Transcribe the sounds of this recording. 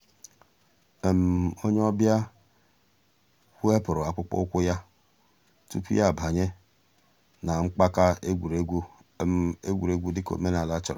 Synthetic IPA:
m˨o˦ɲe˦ɔ˦bja˦ | hʷu˦e˦pʊ˨ɾʊ˨a˨k͡pʊ˦k͡pɔ̰˦kʷʊ˦ja˦ | tu˦pḭ˦ja˦˨bʱa˨ɲe˦ | na˨ŋ͡m̩˦k͡pa˦ka˦ɡʷɾ | e˦ɡʷu˨ɾe˦ɡʷu˦dɪ˦ko̰˨me˦n˨a˨la˦t͡ʃɪ˨ɾ

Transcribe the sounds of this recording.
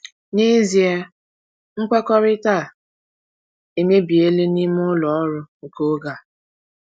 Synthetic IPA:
ni˦zi˨e˦ | ŋ̩˦kʷe˦kɔ˦ɾɪ˦ta˦˨ | e˨me˦bi˨e˦le˦ni˦m˦ʊ˦lɔ˨ɔ˦ɾʊ˦ŋ̩˨ko˦ɡa˨

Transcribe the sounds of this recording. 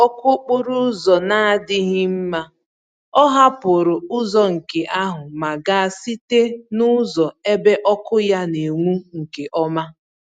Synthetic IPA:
ɔ˦kʊ˦k͡pʊ˦ɾʊ˦zɔ˨na˦dɪ˦ɦɪ˦m̩˦ma˦ | ɔ˦ɦa˦pʊ˨ɾʊ˨ʊ˦zɔ˦ŋ̩˨ke˨ʔa˦ɦʊ˨ma˨ɡa˨a˨si˦te˦nʊ˦zɔ˨e˦be˦ʔɔ˦kʊ˦ja˦ne˨ŋʷu˦ŋ̩˨ke˨ʔɔ˦ma˦

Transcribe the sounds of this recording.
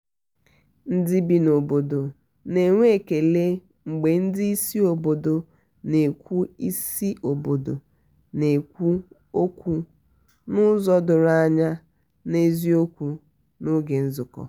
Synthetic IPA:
n̩˦dɪ˦bi˨no˨bo˨do˨ | ne˨ŋʷe˦˨ke˨le˦ | ŋ͡m̩˨ɡ͡be˨n̩˦dɪ˦i˦si˦o˨bo˨do˨ | ne˨kʷu˦i˦si˦ʔo˨bo˨do˨ | ne˨kʷu˦ | o˦kʷu˦ | nʊ˦zɔ˦dʊ˨ɾa˦ɲa˦ | ne˦zi˦o˦kʷu˨ | nʊ˦ɡe˨n̩˦zʊ˨kɔ̰˨

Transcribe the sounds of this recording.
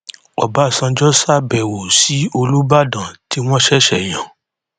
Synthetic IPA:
ɔ̰˨ba˨˦˨sã˧d͡ʒɔ˦sa˦˨bɛ˨wo˨si˨˦o˧lu˦ba˦˨dã˨ti˨˦w̃ɔ̃˦ʃɛ˦ʃɛ˦˨j̃ã˨

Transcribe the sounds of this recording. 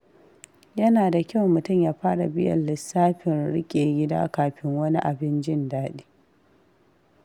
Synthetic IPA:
jɐ˦naː˨da˨kʲɐ˦˨wmʊ˨tʊ˦˨mjaː˦ɸaː˦ɽa˨bɪ˦jɐ̰˨lːɪ˨sːaː˦ɸɪ˨nɽɪ˦kʲʼeː˨ɡʲɪ˦da̰ː˦kaː˨ɸɪ˦ŋwɐ˦ni˦ʔa˨bɪ˦nd͡ʒɪ˦ndaː˦ɗe̥ː˦

